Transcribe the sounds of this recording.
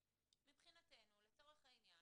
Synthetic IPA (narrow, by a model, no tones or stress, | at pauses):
mipχinate̞jnule̞t͡so̞ʁeχhainja